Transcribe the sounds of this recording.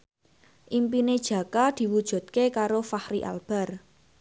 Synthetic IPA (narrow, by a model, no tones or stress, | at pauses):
ʔimpined̥ʒ̥ä̤kad̪̥i̤wud̥ʒ̥ṳd̪̥̚kekaɾofahɾiʔa̰lb̥a̤r